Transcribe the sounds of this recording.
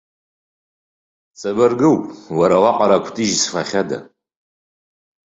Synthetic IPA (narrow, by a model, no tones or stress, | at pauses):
t͡sʼɐbɐrɡɨwwɐɾɐʁɑqɑɾakʷʊ̥tʰʼiːʒsɨ̥fɐχʲɐdɐ̰